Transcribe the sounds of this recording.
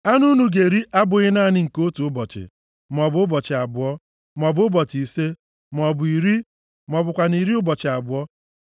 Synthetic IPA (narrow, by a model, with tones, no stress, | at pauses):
a˦nu˦nu˨ɡe˨ɾi˦ʔa˦bʊ˨ɣɪ˦na˦˨nɪ˦ŋ̩˨ko˦tu˨ʊ˦bɔ˨t͡ʃɪ̰˨ | m˨ɔ˨bʊ˨ʊ˦bɔ˨t͡ʃɪ˨a˨bʊ˨ɔ˦ | m˨ɔ˨bʊ˦ʊ˦bɔ˨t͡ʃi˨se˦ | m˨ɔ˨bʊ˨i˨ɾi˦ | m˨ɔ˨bʊ˨kʷa˨ni˨ɾi˦ʊ˦bɔ˨t͡ʃɪ˨a˨bʊ˨˦ɔ˦